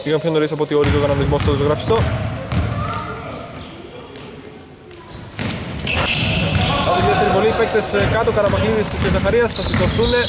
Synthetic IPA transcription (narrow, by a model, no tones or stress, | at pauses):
iɣɐmpçonoɾisɐpo̞t̪io̞ɾit̪oɣɐnɐnizmost̪oðosoɣɾɐfi̥st̪o | ɐpot̪iðeft̪eɾivo̞lifek̚t̪eskɐt̪okɐɾɐmɐkliðiscezɐxɐɾiɐsθɐsit̪oθune̞